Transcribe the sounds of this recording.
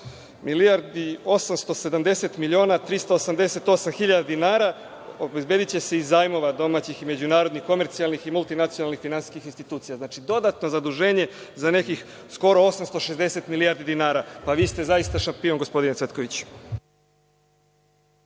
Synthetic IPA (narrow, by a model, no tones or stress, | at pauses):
miliaɾd̪io̞samst̪o̞se̞d̪amd̪e̞se̞t̪miʎio̞ːnat̪ɾist̪oːsamd̪e̞se̞t̪o̞samxiʎad̪ad̪inaːɾa | obezbe̞ːd̪it͡ɕe̞se̞izaːjmo̞ʋad̪o̞maːt͡ɕixime̞d͡ʑunaːɾod̪nixko̞me̞ɾt̪sijalniximulˠt̪inat̪sijonalˠnixfinansi̥skixinst̪it̪uːt̪sijaznaːt͡ʃid̪o̞d̪at̪no̞zad̪uʒe̞ːɲe̞zane̞kix | sko̞ɾo̞o̞samst̪o̞ʃe̞zd̪e̞se̞t̪milijaɾd̪id̪inaːɾapaʋiːst̪e̞zaist̪aʃampioŋɡo̞spo̞d̪inesʋe̞t̪ko̞ʋit͡ɕ